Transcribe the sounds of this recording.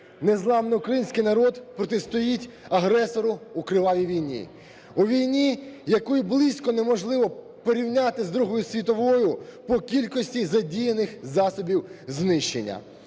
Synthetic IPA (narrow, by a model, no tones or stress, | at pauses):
nezlˠɑmnɪʊkɾɐjinʲsʲkɪjnɐɾɔd̪pɾɔt̪est̪ɔjitʲ | ɐɦɾɛsɔɾʊukɾɪʋˠɑʋʲiʋʲijnʲḭ | uʋʲijnʲijɐkɔjiblˠɪsʲkɔnemɔʒlˠɪʋɔ | pɔɾʲiwnʲat̪ɪzd̪ɾuɦɔjʊsʲʋʲit̪ɔʋɔjʊpɔkʲilʲkɔsʲtʲizɐdʲijenɪxzɑsɔbʲiwznɪʃt͡ʃːḛnʲːɐ̰